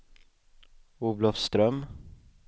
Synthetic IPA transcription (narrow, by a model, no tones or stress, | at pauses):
uːvlɔfst̪ɾœm